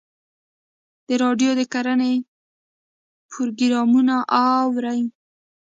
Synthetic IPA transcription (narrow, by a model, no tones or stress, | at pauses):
d̪̥əɾɑɖjod̪əkaɾane | pʰʊɾɡɾɑmunaʔawɾaj